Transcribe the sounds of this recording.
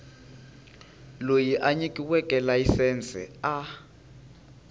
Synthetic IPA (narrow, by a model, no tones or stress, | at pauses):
lojiʔaɲikʼiwɛkʼɛlajisɛːnt͡sʼɛ̰a